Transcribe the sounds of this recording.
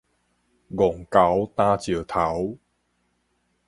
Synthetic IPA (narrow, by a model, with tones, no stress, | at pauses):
ɣo˨˩ŋka˨˩˦wt̪aː˧t͡ɕi˨˩ət̪ʰa˨˩˦w